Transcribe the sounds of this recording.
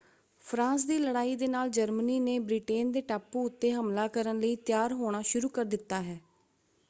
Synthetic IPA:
pʰɾãːs̬d̪iːləɽaːiːd̪eːnaːld͡ʒəɾməniːneːbɾiːʈeːnd̪eːʈaːpuːʊt̪ːeːɦəmlaːkəɾənləiːt̪ɪjaːɾɦoːɽ̃aːʃʊɾuːkəɾd̪ɪt̪ːaːɦɛː

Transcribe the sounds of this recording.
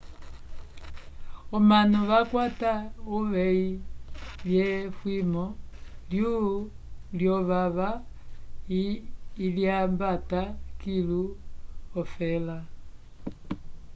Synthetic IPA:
ɔmanɔʋakwatauʋɛi | ljɛfwimɔlju | ljɔβaβa | ljambatakiluɔfɛla

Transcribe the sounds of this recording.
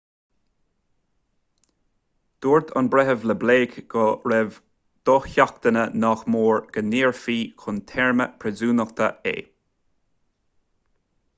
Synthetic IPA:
d̪̥uːɹd̪ɑ̰nbɾɛɦəvləbleːkɡ̥ɔɾɛv | d̪̥ɔxçak̚t̪ənənɔxmoːɹɡ̥əniːɹfiːkʰʊnt̪ʰɛɹmə̰pʰɾɛzuːnəxt̪ə̰ḛː

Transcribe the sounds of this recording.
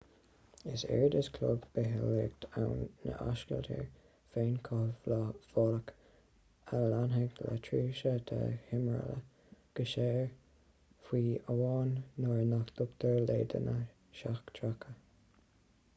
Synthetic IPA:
ɪsɛ̰ɹd̪əskʰlʊ̰bb̥ɪɦɪleɡ̚t̪ʰawnːə̰ʔa̰ʃkə̰lt̪ʰə̰ɹ | feːnkʰɔvləv̥ɔlək | alanɦɛɡla̰tʰɹiːʃət̪ʰa̰hɪməɹə̰lə | ɡ̥əʃeːɹ | fwiːəwɑːnːɔɹnakd̪̥ʊkt̪əɹlḛːd̪ə̰nə | ʃaxkt̪ʰɹakʰə

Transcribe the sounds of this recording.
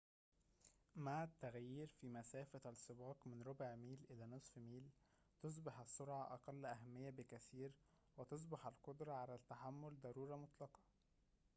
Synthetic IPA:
maʕæt̪ːæɣjiːɾfimæsæːfæælsˤːɨbɑːqmɪnɾobʕmiːlʔɪlæːnɨsˤfmiːl | t̪os̬ˤbɑħæsːoɾʕaʔɑ̰qɑlːʔæɦæmːɪjːæbɪkæθiːɾ | wet̪os̬ˤbɑħælqod̪ɾˤɑʕalæt̪ːaħamːold̪ɑɾˤuːɾɑmot̪ˤlɑqɑ̥

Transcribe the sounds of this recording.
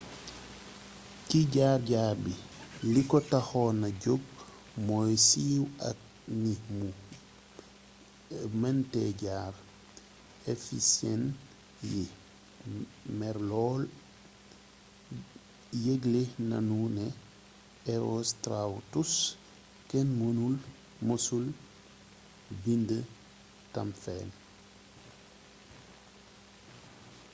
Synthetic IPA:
kiɟaːɾɟaːɾbilikɔtaxɔnaɟoɡ̚ | mɔjsiːwa̰k̚ | nimu | mɛntɛɟaːɾ | efḭsjɛ̰n | ji | mɛɾlɔːl | jeɡlena̰nunɛ | eostɾawtus | kɛnmonul | mosul | bində | tamfɛ̰n

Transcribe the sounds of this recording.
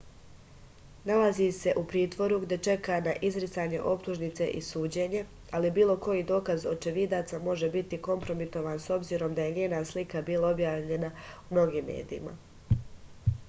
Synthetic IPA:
nalazise̞ʔupɾiːt̪ʋo̞ɾuɡd̪e̞t͡ʃe̞kanaʔizɾit̪saːɲe̞ʔo̞pt̪uʒnit̪se̞ʔisuːd͡ʑe̞ɲe̞ | alibiːlˠo̞ko̞jid̪o̞ːkazo̞t͡ʃeʋid̪at̪samo̞ʒe̞bit̪iko̞mpɾo̞mit̪o̞ʋanso̞bziːɾo̞md̪aje̞ɲeːnaːslikabiːlˠao̞bjaːʋʎe̞naumno̞ɡiːmːe̞̰ːd̪iima̰

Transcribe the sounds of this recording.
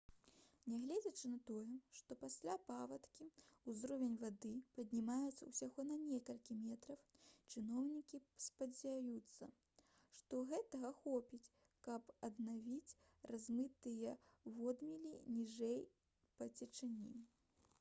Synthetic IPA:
nʲɛɣlʲɛd͡zʲɐt͡ʂɨnɐt̪ɔjɛʂt̪ɔpasʲlʲapavɐt̪kʲiuzɾɔvʲɛnʲvad̪ɨpɐd̪ʲnʲimajut̪sɐwsʲaɣɔnɐnʲɛkɐlʲkʲimʲɛt̪ɾɐwt͡ʂɨnɔwnʲikʲispɐd͡zʲajut̪sːɐ̰ | ʂt̪ɔɣɛt̪ɐɣɐxɔpʲit͡sʲ | kɐpɐd̪navʲit͡sʲ | razmɨt̪ɨjɐvɔd̪mʲilʲinʲiʐɛj | pɐt͡sʲɛt͡ʂɨnʲḭ

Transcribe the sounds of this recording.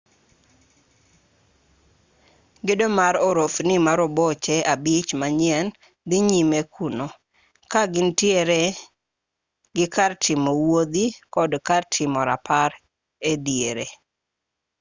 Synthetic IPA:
ɡɪdɔmaɾɔɾofnimaɾɔbot͡ʃɛabit͡ʃmaɲɪɛn | d̪ɪɲimekʰuno | kaɡɪntjeɾe | ɡɪkʰartʰɪmowod̪ikɔdkartʰɪmɔɾapʰaɾ | ed̪ijeɾe

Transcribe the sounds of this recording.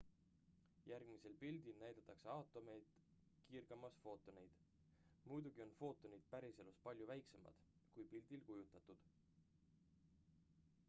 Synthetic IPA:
jærɡ̥mise̞lpild̪ilnæjd̪̥ɑt̪ːˑɑkse̞ɑwt̪ːˑo̞me̞jd̪̥ | kiːrɡ̥ɑmɑsfo̞ːt̪ːˑo̞nejd̪̥ | mujd̪uɡ̥io̞nfo̞ːt̪ːˑo̞nid̪̥̚pæɾise̞luspɑlʲjuvæjkse̞mɑ̰d̪̥kujpild̪̥ilkujut̪ːˑɑt̪ːˑud̪̥

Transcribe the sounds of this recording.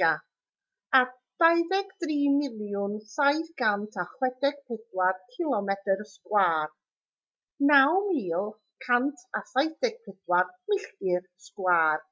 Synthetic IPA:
a | a | d̥ajðɛɡd̥riːmɪlˠjʊnsajθɡ̥antʰaχwɛdɛɡ̥̚pʰɪdwarkʰɪlˠɔmɛtərskwaːr | nawmiːlˠ | kʰantʰasajθɛɡ̥̚pʰɪdwarmɪɬtɪrskwaːr

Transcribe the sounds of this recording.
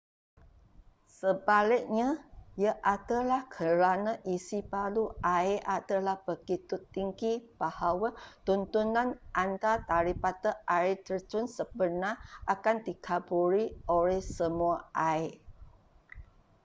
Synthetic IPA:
səbalɪk̚ɲajaʔadəlahkʰəɾanaʔisipaluaeʔadəlahb̥əɡit̪ʊt̪ːiŋɡib̥ahawat̪unt̪unãnʔant̪at̪aɾipat̪əʔaɪt̪ərt̪ʊnsəbənaʔakandikʰabuɾioɾɛhsəmuaae

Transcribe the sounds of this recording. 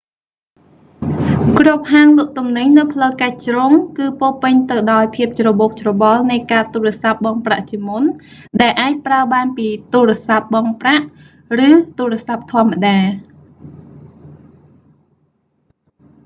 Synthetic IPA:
krop̚ɦaːŋlʊ̆əʔ̚t̪umnɨɲnɨwpʰləwkac̚t͡ɕroŋkɨːpoːpɨɲt̪ɨwɗaɔjpʰiəp̚t͡ɕroɓoːk̚t͡ɕrɔɓɑlnɨjkaːt̪uːrĕəsap̚ɓɑːŋpra̰ʔt͡ɕiəmun | ɗaɛlʔaːc̚praəɓaːnpiːt̪uːrĕəsap̚ɓɑːŋpraʔ | rɨːt̪uːɾĕəsap̚t̪ʰŏəmːaɗaː

